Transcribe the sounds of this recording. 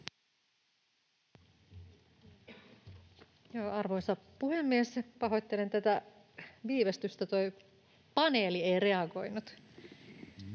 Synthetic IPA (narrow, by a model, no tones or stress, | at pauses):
joːɑrʋo̞jsɑpuhemːiespɑɦo̞t̪ʲːelent̪æt̪æ | ʋiːʋest̪yst̪æt̪oj | pɑne̞ːliejre̞ɑɡo̞jnut̪